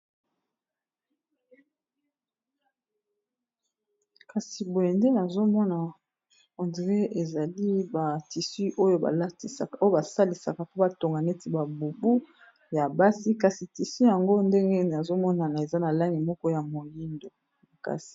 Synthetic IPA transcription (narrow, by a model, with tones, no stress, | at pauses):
ka˨si˨bo˨e˨nde˦na˨zo˦mɔ˦na˨ | ɔ˨ndʁe˦e˨za˨li˦ba˨ti˨si˦ʔo˦jo˦ba̰˨la˦ti˨sa̰˨ka˨o˦o˦ba˨sa˦li˨sa̰˨ka˨po˦ba˨to˨ŋɡa˨ne˦ti˦ba˨bu˨bu˦ | ja˨ba˦si˦ka˨si˨ti˨si˦ja˨ŋɡo˦nde˦ŋɡe˦na˨zo˦mɔ˦na˨na˨e˨za˦na˨la˦ŋi˨mɔ˦kɔ˦ja˨mo˨li˦ndo˨ | ka̰˨si̥˨